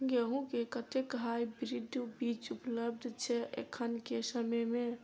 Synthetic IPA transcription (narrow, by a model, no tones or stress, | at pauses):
ɡeɦũkekət̪ekɦajbiɾid̪ubit͡ʃupləbd̪ʱt͡ʃʰɛʔḛkʰːənkesəməjme